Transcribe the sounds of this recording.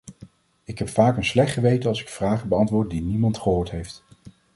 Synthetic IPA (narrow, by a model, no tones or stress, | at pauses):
ɪkɦɛpfaːkənslɛχtχəʋejtənɑlˠsɪ̥kfraːχəbəɑntʋʊːɹt̚dinimɑntχəɦoːɹtɦejft